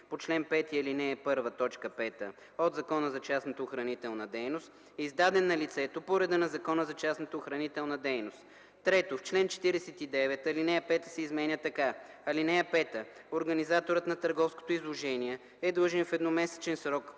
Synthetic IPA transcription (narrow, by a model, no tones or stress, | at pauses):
pot͡ʃlɛnpɛt̪iɐlinɛːpɤɾvət̪ɔt͡ʃkəpɛt̪ə̰ | od̪zɐkɔnəzɐt͡ʃasnɐt̪əoxɾɐnit̪ɛlˠnəd̪ɛjnost̪ | ɛizd̪ad̪ɛnːɐlit̪sɛt̪opoɾɛd̪ənɐzɐkɔnəzɐt͡ʃasnət̪əoxɾɐnit̪ɛlˠnəd̪ɛjnost̪ | t̪ːɾɛt̪oft͡ʃlɛnt͡ʃɛ̥t̪iɾɛsɛt̪id̪ɛvɛt̪ɐlinɛɛpɛt̪əsɛizmɛnʲət̪ɐka | ɐlinɛɛpɛt̪əoɾɡɐnizat̪oɾət̪nɐt̪əɾɡɔfsko̥t̪oizlˠoʒɛniɛ | ɛd̪lˠɤʒɛnfɛd̪nomɛsɛ̥t͡ʃɛnsɾɔk